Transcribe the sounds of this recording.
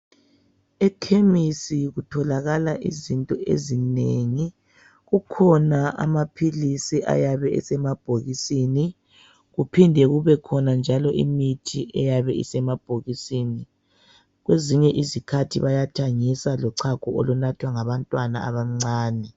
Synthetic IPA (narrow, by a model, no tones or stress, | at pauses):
ɛkʰemisiɣutʰɔlaɣalaʔizintʼɔʔḛzineŋi | ɣukʰɔnaʔa̰mapʰilisiʔa̰jaβɛḭsɛmab̥ʱoɣisini | ɣupʰindʱɛɣuβɛkʰɔnand͡ʒʱalɔʔḭmitʰiʔɛjaβɛḭsɛmab̥ʱoɣisini | ɣweziɲɛʔizikʰatʰiβajatʰaŋisalɔǀʰakʰʼɔɔlɔnatʰwaŋaβantʼwana̰a̰βaŋ͡ǀaːnɛ